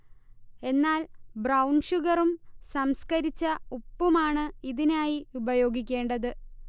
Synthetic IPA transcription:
e̞nːaːlbrɐwɳʂuɣɐrumsɐmskɐɾit͡ɕːɐupːumaːɳɨiðinaːjiubɐjo̞ːɡikʲːe̞ːɳɖɐðɨ

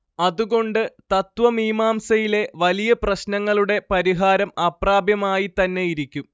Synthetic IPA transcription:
ɐðuɣo̞ɳɖɨt̪ɐt̪ʋɐmiːmaːmsɐjile̞ʋɐlijɐprɐɕnɐŋːɐɭuɽe̞pɐɾiɦaːɾɐmɐpraːbjɐmaːjit̪ɐnːe̞jiɾikʲːum

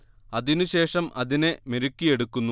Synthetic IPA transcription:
ɐðinuɕe̞ːʂɐmʔɐðine̞meɾukʲːije̞ɽukːunːu

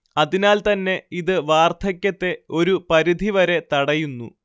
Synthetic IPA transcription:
ɐðinaːlt̪ɐnːe̞iðɨʋaːrt̪ʰɐkʲːɐt̪ːe̞o̞ɾupɐɾid̪ʱiʋɐɾe̞t̪ɐɽɐjunːṵ

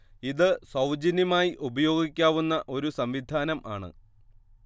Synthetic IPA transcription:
iðɨsɐwd͡ʑɐnjɐmaːjiʔubɐjo̞ːɡikʲːaːʋunːɐʔo̞ɾusɐmʋid̪ʱaːnɐmʔaːɳɨ̰

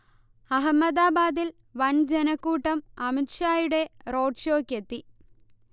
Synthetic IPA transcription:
ɐɦɐmːɐd̪aːbaːd̪il | ʋɐnd͡ʑenɐkːuːʈːɐmɐmiʈʂaːjuɽe̞ro̞ːɖʂo̞ːkːet̪ːi

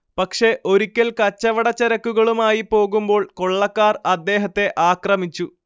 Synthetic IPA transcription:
pɐkʂe̞ʔo̞ɾukʲːɐlkɐt͡ɕːɐʋɐɽɐt͡ɕːeɾɐkːuɣɐɭumaːjipo̞ːɣumbo̞ːɭko̞ɭːɐkːaːrɐd̪ːe̞ːɦɐt̪ːe̞ʔaːkrɐmit͡ɕːu

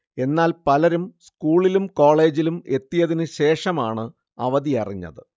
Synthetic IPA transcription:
e̞nːaːlpɐlɐɾumskuːɭilumko̞ːɭe̞ːd͡ʑilume̞t̪ːijɐðinɨɕe̞ːʂɐmaːɳɨ | ɐʋɐðiɐriɲːɐ̰ðɨ

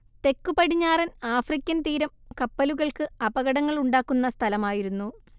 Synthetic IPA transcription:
t̪e̞kːupɐɽiɲːaːrɐnaːfrikʲːɐnt̪iːɾɐmkɐpːɐluɣɐɭkɨɐbɐɣɐɽɐŋːɐɭuɳɖaːkːunːɐst̪ʰɐlɐmaːjiɾunːu

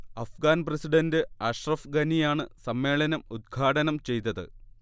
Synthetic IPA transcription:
ɐfɡaːnprɐsiɖɐndɨaːɕrɐfɡɐnijaːɳɨsɐmːe̞ːɭɐnɐmud̪̚ɡʰʱaːʈɐnɐmt͡ɕe̞jt̪ːɐðɨ̰

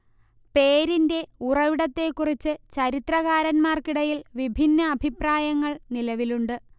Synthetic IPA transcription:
pe̞ːɾinde̞urɐʋiɽɐt̪ːe̞ːkːurit͡ɕːɨt͡ɕɐɾit̪rɐɣaːɾɐnmaːrkiɽɐjilʋibʱinːɐːbʱipraːjɐŋːɐɭnilɐʋiluɳɖɨ

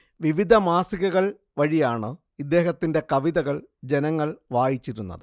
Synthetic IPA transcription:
ʋiʋid̪ʱɐmaːsiɣɐɣɐɭ | ʋɐɻijaːɳɨ | id̪ːe̞ːɦɐt̪ːinde̞kɐʋiðɐɣɐɭd͡ʑe̞nɐŋːɐɭʋaːjit͡ɕːiɾunːɐ̰ðɨ

